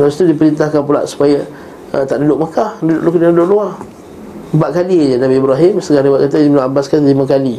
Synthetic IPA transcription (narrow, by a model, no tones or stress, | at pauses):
lasit̪udipəɾint̪ahkanp̬ula̰ʔsu̥paja | ət̪aʔdudʊʔmakahdudʊʔlukanadudʊʔlua | baʔkalid͡ʒanabiːbɾaɦɪmsəɡanabaʔkat̪adimnaabaskanlimãkali